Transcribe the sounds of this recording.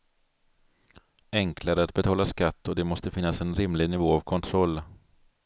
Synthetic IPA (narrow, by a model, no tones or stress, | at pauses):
ɛŋkʰlaɾəat̪̚bɛt̪ʰɑːlaskat̪ːɔd̪ɛmɔst̪əfɪnːasɛnɾɪmlɪɡnɪvoːavkʰɔnt̪ʰɾɔlː